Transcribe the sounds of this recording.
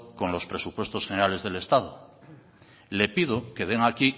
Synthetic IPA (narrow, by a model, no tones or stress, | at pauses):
ko̞nlo̞spɾe̞supwe̞st̪o̞sχeneɾale̞zðe̞le̞st̪að̞o | le̞pið̞oke̞ð̞e̞ŋaki